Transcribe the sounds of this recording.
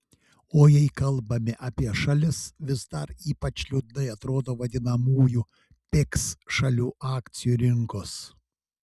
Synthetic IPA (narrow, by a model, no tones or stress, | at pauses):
oːjɛɪkɐlˠbɐmʲɪʔɐːpʲiɛʃɐlʲɪsʋʲɪzd̪ɐɾiːpɐt͡ʃlʲud̪nɐɪɐt̪ɾoːd̪oːʋɐd̪ʲɪnɐmuːju | pʲɪksʃɐlʲuːʔɑːkt̪sʲɪjuːɾʲɪŋkoːs